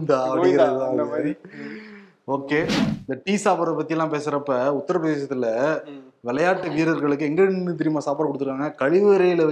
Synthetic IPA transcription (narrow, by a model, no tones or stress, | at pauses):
nd̪aɐɽɯɣɪɾɐðɯaː | oːkeːɪnd̪ɐʈiːsaːpɐɾɐp̬ɐt̪ːɪjɐlːãːpeːsɪɾɐpːɐʊt̪ːɐɾɐpɾɐðeːʃɐt̪ːɪlɐ | ʋɛlɐjaːʈːɯʋiːɾɐɾɣɐɭɯkːɯɛŋɡɐnɯt̪ɛɾɪjmaːsaːpaɾɐkɔɽɯt̪ɯɾɯkːaːŋɡɐkɐɻɪʋɯɾɐjɪlɐ